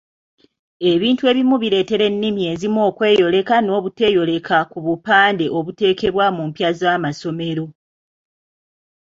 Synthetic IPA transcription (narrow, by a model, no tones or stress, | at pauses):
e̞βiːntue̞ːβimuβiɾe̞ːte̞ɾe̞nːimje̞ːzimo̞ːkwe̞ːjo̞le̞kano̞ːβute̞ːjo̞le̞kʰakuβupaːnde̞ʔo̞βute̞ːke̞βwamumpjazaːmaso̞me̞ɾo̞